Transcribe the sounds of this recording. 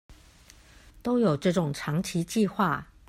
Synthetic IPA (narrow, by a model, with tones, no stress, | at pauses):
t̪o˥ʊjo˨˩ʊʈ͡ʂɤ˥˩ʈ͡ʂʊ˨˩ŋʈ͡ʂʰɑ˧˥ŋt͡ɕʰi˨˧˥t͡ɕi˥˧xwa˥˨